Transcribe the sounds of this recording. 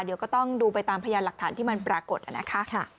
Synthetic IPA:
di˨˩˦wkɔ˥˩t̪ɔ˥˩ŋduː˧pa˧jt̪aː˧mpʰa˧jaː˧la˨˩k̚t̪ʰaː˩˦nt̪ʰiː˥˩ma˧npɾaː˧ko˨˩t̪̚ʔa̰˨˩na˦˥kʰa˦˥ʔkʰ

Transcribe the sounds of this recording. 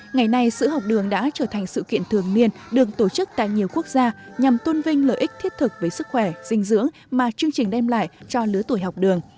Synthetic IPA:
ŋa˨˩jna˧jsɨ̰˧˥ɦa˨˩wk͡p̚ɗɨ˨˩əŋɗa̰ː˧˥t͡ɕəː˧˩t̪ʰa˨˩jŋ̟sɨ̰˧˨kḭ˧˨ənt̪ʰɨ˨˩əŋni˧ənɗɨ˨˩ək̚t̪o˧˩t͡ɕɨ˦˥k̚t̪a̰ː˧˨jɲi˨˩əwku˦˥ək̚zaː˧ɲa˨˩mt̪ə˧nvï˧ŋ̟ləː˨˩ʔi˦˥k̚t̪ʰi˦˥ət̚t̪ʰɨ˨˩k̚vəː˨˦jsɨ˦˥k̚xwɛ˧˩z̥ï˧ŋ̟zɨ̰˧˥əŋ | maː˨˩t͡ɕɨ˧əŋt͡ɕï˨˩ŋ̟ɗɛ˧mla̰ː˧˨jt͡ɕɔ˧lɨ˨˦ət̪u˧˩jɦa˨˩wk͡p̚ɗɨ˨˩əŋ

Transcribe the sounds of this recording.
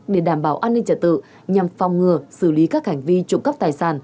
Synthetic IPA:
ɗe˧˩ɗaː˧˩mɓaː˧˩wʔaː˧nːï˧ŋ̟t͡ɕə̰˧t̚t̪ɨ̰˧˨ | ɲa˨˩mfɔ˨˩wŋ͡mŋɨ˨˩əsɨ˧˩li˨˦kaː˦˥k̚ha˧˩jŋ̟vi˧t͡ɕʊ˧˩ŋ͡mkə˦˥p̚t̪aː˨˩jsaː˧˩n

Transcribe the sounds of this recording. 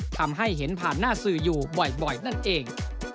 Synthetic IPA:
t̪ʰa˧mɦa˥˩jɦe˩˦npʰaː˨˩nːaː˥˩sɯː˨˩juː˨˩bɔ˨˩jbɔ˨˩jna˥˩nʔeː˧ŋ

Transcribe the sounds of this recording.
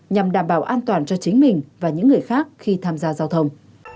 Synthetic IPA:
ɲa˨˩mɗaː˧˩mɓaː˧˩wʔaː˧nt̪waː˨˩nt͡ɕɔ˧t͡ɕï˨˦ŋ̟mï˨˩ŋ̟vaː˨˩ɲɨ̰˧˥ŋːɨ˨˩əjxaː˦˥k̚xi˧t̪ʰaː˧mzaː˧zaː˧wt̪ʰə˧wŋ͡m

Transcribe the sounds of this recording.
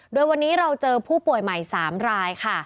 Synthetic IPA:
doː˧jwa˧nːiː˦˥ɾa˧wt͡ɕɤː˧pʰuː˥˩pu˨˩əjma˨˩jsaː˩˦mɾaː˧jkʰa˥˩

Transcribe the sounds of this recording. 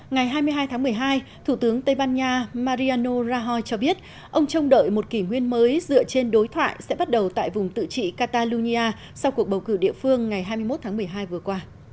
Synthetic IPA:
ŋa˨˩jɦaː˧jmɨ˧əɦaː˧jt̪ʰaː˨˦ŋmɨ˨˩əjɦaː˧jt̪ʰu˧˩t̪ɨ˨˦əŋt̪ə˧jɓaː˧nɲaː˧maː˧ɾi˧aː˧no˧zaː˧ɦɔ˧jt͡ɕɔ˧ɓi˦˥ət̚ | ʔə˧wŋ͡mt͡ɕə˧wŋ͡mɗə̰ː˧˨jmo˨˩t̚ki˧˩ŋwi˧ənməː˨˦jzɨ̰˧˨ət͡ɕe˧nɗo˨˦jt̪ʰwa̰ː˧˨jsɛ̰˧˥ɓa˦˥t̚ɗə˨˩wt̪a̰ː˧˨jvʊ˨˩ŋ͡mt̪ɨ̰˧˨t͡ɕḭ˧˨kaː˧t̪aː˧lu˧ɲi˧ʔaː˧ | sa˧wku˨˩ək̚ɓə˨˩wkɨ˧˩ɗḭ˧˨əfɨ˧əŋːa˨˩jɦaː˧jmɨ˧jmo˦˥t̪ʰaː˨˦ŋmɨ˨˩əjɦaː˧jvɨ˨˩əkwaː˧

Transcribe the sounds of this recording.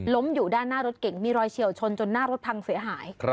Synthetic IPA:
lo˦˥mjuː˨˩daː˥˩nːaː˥˩ɾo˦˥t̪̚ke˨˩ŋmiː˧ɾɔː˧jt͡ɕʰi˨˩əwt͡ɕʰo˧nt͡ɕo˧nːaː˥˩ɾo˦˥t̪̚pʰa˧ŋsi˨˩˦ɐɦaː˩˦j

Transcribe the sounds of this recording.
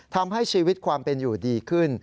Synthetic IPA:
t̪ʰa˧mɦa˥˩jt͡ɕʰiː˧wi˦˥t̪̚kʰwaː˧mpe˧njuː˨˩diː˧kʰɯ˥˩n

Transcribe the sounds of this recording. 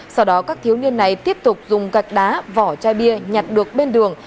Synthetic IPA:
sa˧wɗɔ˨˦kaː˦˥k̚t̪ʰi˨˦wni˧ənːa˨˩jt̪i˦˥əp̚t̪ʊ˨˩k͡p̚zʊ˨˩ŋ͡mɣa˨˩jk̟̚ɗaː˨˦vɔ˧˩t͡ɕaː˧jɓi˧əɲa˨˩t̚ɗɨ˨˩ək̚ɓe˧nɗɨ˨˩əŋ

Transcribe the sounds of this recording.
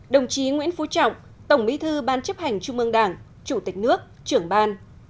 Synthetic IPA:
ɗə˨˩wŋ͡mt͡ɕi˨˦ŋwḭ˧˥ənfu˨˦t͡ɕɔ̰˧˨wŋ͡m | t̪ə˧˩wŋ͡mmḭ˧˥t̪ʰɨ˧ɓaː˧nt͡ɕə˦˥p̚ha˨˩jŋ̟t͡ɕu˧ŋ͡mmʔɨ˧əŋɗaː˧˩ŋ | t͡ɕu˧˩t̪ï˨˩k̟̚nɨ˦˥ək̚t͡ɕɨ˧˩əŋɓaː˧n

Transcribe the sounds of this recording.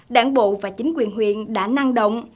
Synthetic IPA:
ɗaː˧˩ŋɓo̰˧˨vaː˨˩t͡ɕï˨˦ŋ̟kwi˨˩ənɦwḭ˧˨ənɗa̰ː˧˥na˧ŋɗə̰˧˨wŋ͡m

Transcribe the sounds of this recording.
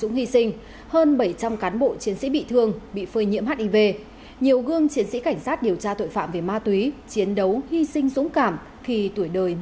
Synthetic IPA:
ʊ̰˧˥ŋ͡mhi˧sï˧ŋ̟ | həː˧nɓə˧˩jt͡ɕa˧mkaː˨˦nɓo̰˧˨t͡ɕi˨˦ənsḭ˧˥ɓḭ˧˨t̪ʰɨ˧əŋɓḭ˧˨fəː˧jɲḭ˧˥əmhaː˦˥t̚ʔi˧ve˧ | ɲi˨˩əwɣɨ˧əŋt͡ɕi˨˦ənsḭ˧˥ka˧˩jŋ̟saː˦˥t̚ɗi˨˩əwt͡ɕaː˧t̪o̰˧˨jfa̰ː˧˨mve˧˩maː˧t̪wi˨˦t͡ɕi˨˦ənɗə˨˦whi˧sï˧ŋ̟zʊ̰˧˥ŋ͡mkaː˧˩m | xi˧t̪u˧˩əjɗəː˨˩j

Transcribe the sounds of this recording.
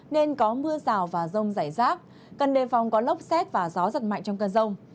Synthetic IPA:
ne˧nkɔ˨˦mɨ˧əzaː˨˩wvaː˨˩zə˧wŋ͡mzaː˧˩jzaː˦˥k̚ | kə˨˩nɗe˨˩fɔ˨˩wŋ͡mkɔ˨˦lə˦˥wp̚sɛ˦˥t̚vaː˨˩zɔ˨˦zə˨˩t̚ma̰˧˨jŋt͡ɕɔ˧wŋ͡mkəː˧nzə˧wŋ͡m

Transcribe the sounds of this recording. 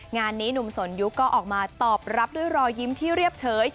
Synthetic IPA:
ŋaː˧nːiː˦˥nu˨˩mso˩˦nju˦˥kːɔː˥˩ʔɔː˨˩k̚maː˧t̪ɔː˨˩p̚ɾa˦˥p̚du˥˩əjɾɔː˧ji˦˥mt̪ʰiː˥˩ɾi˥˩əp̚t͡ɕʰɤː˦˥j

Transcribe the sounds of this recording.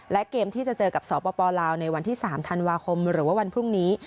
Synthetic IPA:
lɛ˦˥keː˧mt̪ʰiː˥˩t͡ɕa˨˩t͡ɕɤː˧ka˨˩p̚sɔː˩˦pɔː˧pɔː˧laː˧wna˧jwa˧nt̪ʰiː˥˩saː˩˦mt̪ʰa˧nwaː˧kʰo˧mɾɯː˩˦waː˥˩wa˧npʰɾu˥˩ŋniː˦˥

